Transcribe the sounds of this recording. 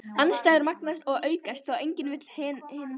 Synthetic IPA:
anst̪ajðɪɾmaknast̪ɔɣʔœːɥkast̪θawejɲcɪnvɪt̪l̥hɛnhɪːn

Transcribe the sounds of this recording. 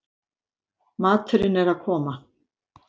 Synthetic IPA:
maːt̪ʰɪɾɪnɛɾaðkʰɔːma

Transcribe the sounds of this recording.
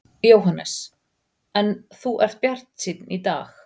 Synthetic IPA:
jowɦanːɛ̰s | ɛnθuʔɛr̥t̪̚pjar̥t̪nsiːd̪nid̪a̰ːx

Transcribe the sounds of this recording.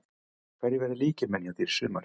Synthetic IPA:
fɛɾjɪvɛɾðɪliːcɪmɛnjaðiɾ̥sʏːmaɾ

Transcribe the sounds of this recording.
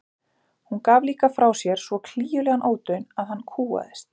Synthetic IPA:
hunkaːvliːkafɾawsjɛɾ̥svɔkʰliːjʏlɛɣanʔoːwt̪œɥnaðhanːkʰuːa̰ðɪst̪̚

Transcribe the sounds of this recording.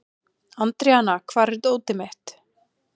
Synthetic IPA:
ant̪ɾɛanakʰvaːɾɛɾt̪oːwt̪ɪmɪht̪

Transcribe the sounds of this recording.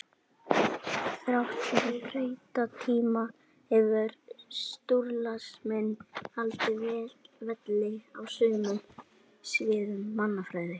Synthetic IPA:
θɾawht̪rejt̪at̪ʰiːma | hɛvʏɾst̪uɾlasmɛnːhalt̪ɪvɛːlvɛt̪lɪawsʏnːʏm | svɪːðʏmːanːafɾajɾɪ

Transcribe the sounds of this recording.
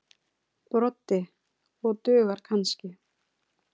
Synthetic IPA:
pɾɔt̪ːɪ | ɔɣt̪ʏːɣaɾ̥kʰanscɪ

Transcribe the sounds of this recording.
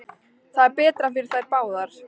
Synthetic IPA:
θaðɛɾpɛːt̪ɾanfɪɾɪɾ̥θajɾpaːwðaɾ̥

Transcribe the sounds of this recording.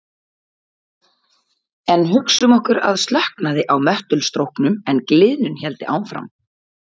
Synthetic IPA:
ɛnːɦʏksʏmɔhkʏɾa̰ðst̪lɛhknaðɪʔawmœht̪ʏlst̪ɾowhknʏmɛnklɪːðnʏnçɛlt̪ɪʔa̰ːwnfɾa̰m

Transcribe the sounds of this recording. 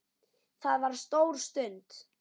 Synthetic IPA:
θaðvaɾ̥st̪owɾ̥st̪ʏnt̪

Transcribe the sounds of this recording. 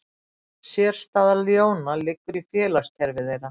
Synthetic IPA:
sjɛːɾ̥st̪aːðaljoːwnalɪkːʏɾifjɛːlast̪hɛɾvɪðejɾa

